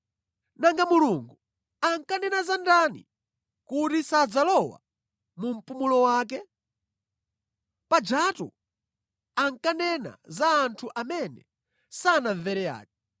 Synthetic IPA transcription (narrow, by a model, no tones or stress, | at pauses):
naŋɡamuluŋɡu | aŋkanɛnazandanḭ | kutisad͡zalɔwa̰ | mum̩pumulɔwaːk̬ɛ | pad͡ʒatṵ | aŋkanɛna̰zaːntʰuʔamɛnɛ̰ | sanavɛɾɛja̰ːkɛ